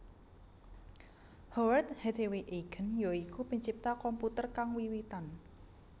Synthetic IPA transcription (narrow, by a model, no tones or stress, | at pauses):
hɔwərt̪hed̪eweʔeɡ̥ə̤njoikupə̤ɲt͡ʃip̚t̪akɔmput̪ərkaŋwiwit̪an